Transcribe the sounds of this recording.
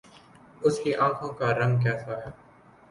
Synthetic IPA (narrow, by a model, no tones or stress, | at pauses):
ʊskiʔãːkʰõːkaɾə̃ŋɡk̬ɛːsaːjaː